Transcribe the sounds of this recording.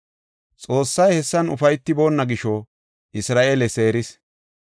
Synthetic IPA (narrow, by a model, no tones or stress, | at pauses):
t͡sʼo̞ːsːɐjhɛsːɐnʊ̰fɐjt̪ːɪbo̞ːnːɐɡɪʃɔ | ʔɪsɾaːʔeːlɛse̞ːɾɪs